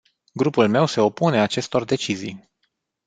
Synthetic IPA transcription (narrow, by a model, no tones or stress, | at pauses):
ɡɾupulme̞wse̞o̞pune̞at͡ʃe̞st̪o̞rd̪e̞t͡ʃizḭj